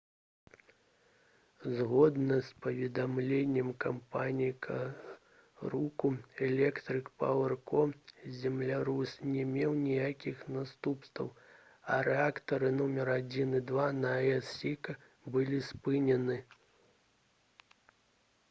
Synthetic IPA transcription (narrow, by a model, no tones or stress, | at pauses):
zɣɔd̪nɐspɐvʲɛd̪amlʲenʲːɛmkampanʲijkʰɐ | ɾukuɛlʲɛkt̪ɾɨkpawɛrkɔzʲɛmlʲaɾusnʲɛmʲɛwnʲijakʲixnast̪upst̪vɐ̰w | ɐ̰ɾɛakt̪ɐɾɨnɔmʲɛɾad͡zʲinid̪vanɐɛsʲikɐ | bɨlʲispɨnʲɛnɨ